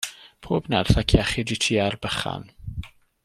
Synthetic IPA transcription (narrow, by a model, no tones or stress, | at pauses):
pʰoːbnɛrθakʰjaχiditʰiarbəχa̰n